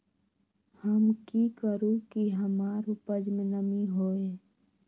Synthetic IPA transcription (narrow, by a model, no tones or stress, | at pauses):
həmkikəɾũkiɦəmaːɾopəd͡ʒmnəmiɦoːeː